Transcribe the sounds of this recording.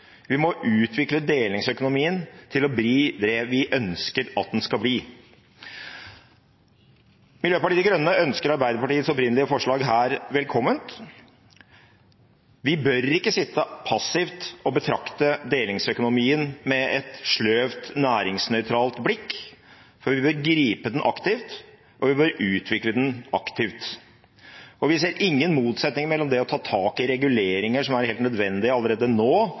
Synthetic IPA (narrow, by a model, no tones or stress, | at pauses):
ʋɪmɔʔʉːt̪ʰʋɪkləd̪eːlɪŋsœkʊnʊmiːənt̪ʰɪlɔbɾiːd̪ɛʋɪʔœnskəɾɑ̰t̪̚d̪ɛnskɑbliː | mɪljøːpɑʈiːəɡɾœnːəʔœnskəɾɑɾbæɪd̪əpɑʈiːət̪sɔpɾɪnəlɪəfɔʂɭɑːɡɦæːɾʋɛlkʰɔmːənt̪ | ʋɪbœɾɪkːəsɪt̪ːəpʰɑsɪft̪ɔbət̪ʰɾɑkt̪əd̪eːlɪŋsœkʊnʊmiːənmɛɛt̪ʂɭøːʋt̪næːɾɪŋsnœʏt̪ʰɾɑːlt̪blɪkː | fɔɾʋɪbəɾɡɾiːpəd̪ɛnʔɑ̰kt̪ɪft̪ | ʔɔʋɪbœɾʉːt̪ʰʋɪkləd̪ɛnɑkt̪ɪʋt̪ | ɔʋɪs̬eːɾɪŋːənmuːt̪sɛt̪nɪŋmɛlːɔmd̪ɛɔt̪ʰɑːt̪ʰɑːkɪɾɛɡʉleːɾɪŋəʂɔmæɾheːlt̪nœd̪ʋɛnd̪ɪɑlːəɾeːd̪ənoː